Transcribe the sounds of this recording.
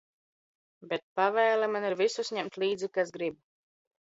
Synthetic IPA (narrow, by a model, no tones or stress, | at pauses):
bet̪̚pavɛːlamaniɾvisusɲɛmt̪lʲˠiːd̪zikasɡɾib̚